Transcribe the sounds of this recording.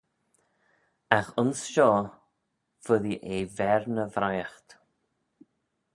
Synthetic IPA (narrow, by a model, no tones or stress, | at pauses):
axʊnsʃɔː | fʊðiʔevɛɾnəvɾajəxt̪